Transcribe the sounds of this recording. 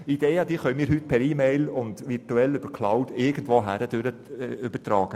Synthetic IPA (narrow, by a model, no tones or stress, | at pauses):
id̥eːəd̥̪iːχœnnmiːɾɦyt̪̚pʰɛɾiːmɛɪlʊnd̪ʋɪɾtuɛlʏb̥əɾkʰlawtɪɾɡən̩dʋoːɦæɾəd̥øɾəʏbətɾɑːɡ̥ə